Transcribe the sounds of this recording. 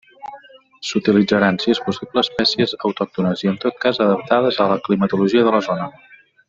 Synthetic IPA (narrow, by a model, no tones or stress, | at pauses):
sut̪ilid͡zəɾansiespusibləːspɛsiəzəwt̪ɔk̚t̪unəziənt̪ot̪̚kazəðəp̚t̪aðəzələklimət̪uluʒiəðələzonə